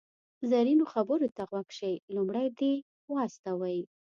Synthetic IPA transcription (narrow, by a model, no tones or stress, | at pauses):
zaɾinoxabəɾot̪aɣwakʃejlumɽajd̪e | wɑst̪awaj